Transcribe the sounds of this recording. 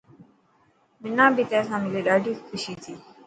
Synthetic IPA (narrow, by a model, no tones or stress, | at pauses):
bɪnãːbʱiːt̪ɛ̃ːsãːmɪleːɗaːɖʱiːkʰʊʃiːt̪ʰiː